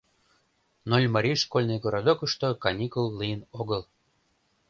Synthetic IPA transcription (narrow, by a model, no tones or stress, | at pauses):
nolʲmɑɾʲijʃkolʲnejɡoɾod̪okəʃt̪okɑnʲikulˠːijənoɣəl